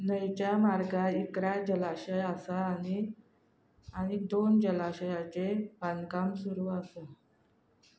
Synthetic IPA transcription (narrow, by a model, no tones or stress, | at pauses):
nəjt͡ɕjamaɾɡaikɾad͡ʑəlaɕəjasani | aɽ̃id̪ond͡ʑəlaɕəjat͡sebʱankamsuɾuːasa